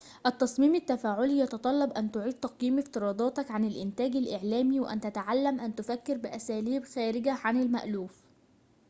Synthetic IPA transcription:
ʔæt̪ːɑsˤmiːmɪt̪ːæfæːʕʊlijɑt̪ɑt̪ˤɑlːɑbʔænt̪ʊʕiːd̪̚t̪ɑqjiːmɪft̪ɪɾɑːd̪ˤɑːt̪ɑkʕanɪlʔɪnt̪æːɡælʔɪʕlæːmiwɪʔæ̰nt̪æt̪aʕalːæmʔænt̪ʊfækːɪɾbɪʔæsæːliːbxæːɾɪɡæʕanɪlmæ̰ʔluːf

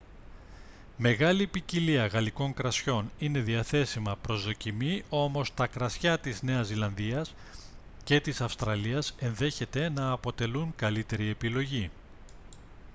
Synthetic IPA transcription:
me̞ɣɐlipiciliɐɣɐliko̞ŋkɾɐsço̞nine̞ðiɐθe̞simɐpɾo̞zðo̞cimio̞mo̞st̪ɐkɾɐsçɐt̪izne̞ɐzːilɐnðiɐs | ce̞t̪isɐfst̪ɾɐliɐsenðe̞çe̞t̪e̞nɐːpo̞t̪e̞luŋkɐlit̪e̞ɾie̞pilo̞ʝi

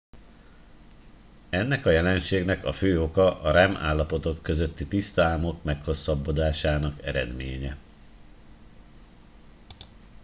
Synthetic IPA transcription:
ɛnːɛkɒjɛlɛnʃeːɡnɛkɒføːo̞kɒʔɒɾɛma̰ːlːɒpo̞t̪o̞kːøzø̞t̪ːit̪ist̪aːmo̞kmɛkho̞sːɒbːo̞d̪aːʃaːnɒkɛ̰ɾɛ̰d̪meːɲɛ

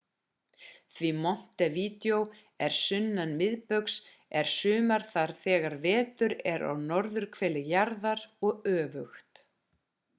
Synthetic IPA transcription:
θvimɔm̥t̪ɛviːt̪jow | ɛɾ̥sʏnːanmɪðpœks | ɛɾ̥sʏːmaɾ̥θaɾ̥θɛːɣaɾvɛːt̪ʏɾɛɾa̰wnɔɾðʏɾ̥kʰvɛːlɪjaɾðaɾɔɣœːvʏxt̪

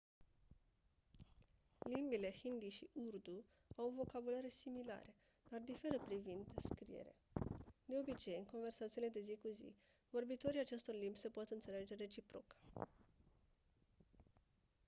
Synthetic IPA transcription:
limbile̞hind̪iʃiʔurd̪u | awvo̞kabulaɾesimila̰ɾe | d̪̥ard̪ife̞ɾəpɾivind̪skɾḭje̞̰ɾḛd̪e̞o̞bit͡ʃe̞jɨnŋko̞nve̞rsat̪sile̞d̪e̞zikuzḭ | vo̞rbit̪o̞ɾiat͡ʃe̞st̪o̞rlimbʲsepot̪ɨnt̪se̞le̞d͡ʒe̞ɾe̞t͡ʃipɾo̞̰k

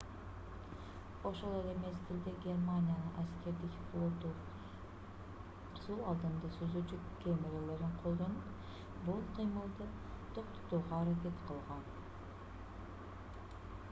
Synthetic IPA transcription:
o̞ʃo̞lˠe̞le̞me̞st̪ʰɪlʲd̪eɡʲe̞rmanʲijanɯʔæskʲe̞ɾd̪ikʲqʰolˠot̪u | sulˠɑlˠd̪ɯnd̪ɑsøzyt͡ʃykʲemeɾele̞ɾiɴqʰo̞lˠd̪o̞nup | bulˠqʰɯjmɯlˠd̪ɯ | t̪ʰo̞qt̪o̥t̪uːʁɑːɾak̬ʲe̞t̪qʰəlˠʁɑn

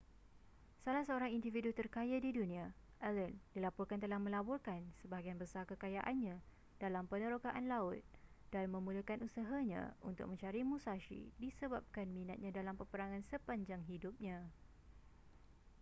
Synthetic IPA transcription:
salahsəoɾaŋindividut̪ərkajadidunĩa | ʔɛləndilapɔrkant̪əlahmə̃labɔrkansəbaɡianbəsarkəkajaʔanɲã | d̥alampənə̃ɾokaʔanlaʊt̪̚ | d̥anmə̃mũləkanʔusaɦaɲã̰unt̪ʊ̰k̚mə̃ɲt͡ʃaɾimusaʃḭdisəbap̚kanmĩnat̪̚ɲãdalampəpəɾaŋãnsəpaɲd͡ʒaŋɦidʊp̚ɲã

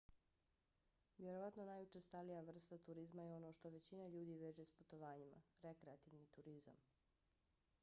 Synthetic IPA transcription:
ʋjeɾoʋat̪nonaːjut͡ʃest̪alijaʋr̩st̪at̪uɾizmajeo̞no̞ʃt̪oʋe̞t͡ɕinaʎuːd̪iʋeːd͡ʒesput̪oʋaːɲima̰ɾekɾeat̪iʋnit̪uɾiza̰m

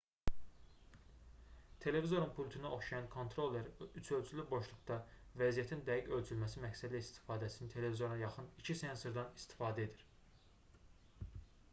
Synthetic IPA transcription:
t̪ʰe̞le̞vizo̞ɾunpʰulʲt̪ʰunɑʔo̞χʃɑjɑnkʰo̞nt̪ʰɾo̞lˠːeɾyt͡ʃʰølt͡ʃʰylyboʃlˠukt̪ɑvæzijæt̪ʰind̪æjiɟø̞lt͡ʃʰylmæsimæcsæd̪ilæist̪ʰi̥fɑːd̪æsinit̪ʰe̞le̞vizo̞ɾɑjɑχɯnicʰisensoɾd̪ɑnist̪ʰi̥fɑːd̪æe̞d̪iɾ

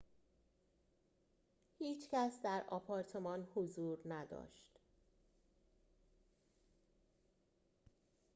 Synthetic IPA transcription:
hiːt͡ʃʰcæsd̪æɾɒpʰɒːɾt̪ʰe̞mɒnhozuːɾnæd̪ɒ̰ːʃt̪

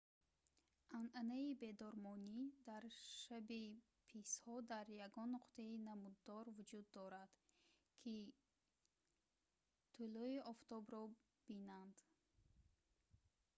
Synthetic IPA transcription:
ʔanʔanaibe̞d̪ɔɾmɔnid̪aɾʃabi | pʰishɔd̪aɾjaɡɔnːuqt̪ʰeinamud̪ːɔɾvud͡ʒud̪ːɔɾad̪̥ | kʰi | t̪ʰulɔiʔɔft̪ɔbɾɔ | b̥inand̪̥

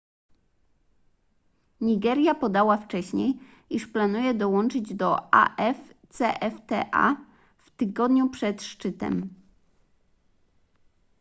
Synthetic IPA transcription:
ɲiɡɛɾʲjapɔd̪awaft͡ʂɛɕɲej | iʂplanujɛd̪ɔwɔnt͡ʂɘd͡ʑd̪ɔa̰ʔɛft̪sɛʔɛft̪ɛ̰ʔa̰ | ft̪ɘɡɔd̪ɲupʂɛt̪ʂt͡ʂɘt̪ɛ̰m

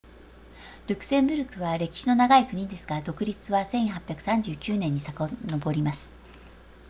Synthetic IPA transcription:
ɾʲɯ̟kɯ̥sẽ̞mbɯ̟ɾɯ̟kɯ̟βaɾe̞kʲi̥ɕino̞naɡaikɯ̟ɲ̟ĩd̪e̞sɨ̥ɡad̪o̞kɯ̟ɾʲit͡sɨβasẽ̞ɰ̃hapʲjakɯ̥sãɲ̟d͡ʑɨːkʲɨːnẽ̞ɲ̟ːisakono̞bo̞ɾʲimasɨ̥

